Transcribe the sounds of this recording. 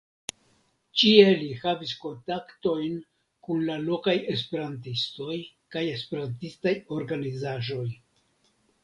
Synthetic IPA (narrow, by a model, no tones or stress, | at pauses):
t͡ʃie̞lihavisko̞ntakto̞jn | kunlalo̞kaje̞s̬pe̞ɾantisto̞j | kaje̞spe̞ɾantistajo̞ɾɡanizaʒo̞j